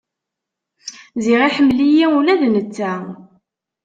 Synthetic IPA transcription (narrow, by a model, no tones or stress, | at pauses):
ziʁiħəmːlijiulæðnət͡sːæ